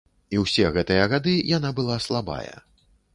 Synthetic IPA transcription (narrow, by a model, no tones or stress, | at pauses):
iwsʲɛɣɛt̪ɨjɐɣad̪ɨjanabɨlˠaslˠaba̰jɐ̰